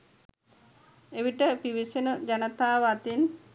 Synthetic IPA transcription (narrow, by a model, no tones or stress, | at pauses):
eʋiʈəpiʋisenəd͡ʒanət̪aːʋat̪in